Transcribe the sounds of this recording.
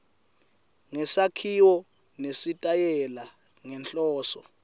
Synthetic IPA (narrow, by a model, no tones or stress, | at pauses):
ŋɛsakʰiwɔ | nesitʼajɛla | ŋɛnt͡ɬʼɔːsɔ̰